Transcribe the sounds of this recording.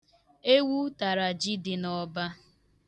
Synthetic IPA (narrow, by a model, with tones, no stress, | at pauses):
e˦wu˦ta˨ɾa˨d͡ʒi˦dɪ˨nɔ˨ba˦